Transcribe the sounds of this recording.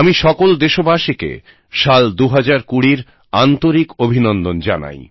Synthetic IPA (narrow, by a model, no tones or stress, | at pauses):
amiʃɔkold̪eʃobaʃikḛ | ʃald̪uɦad͡ʑaɾkuɽiɾ | ant̪oɾikobʱinɔnd̪ond͡ʑana̰j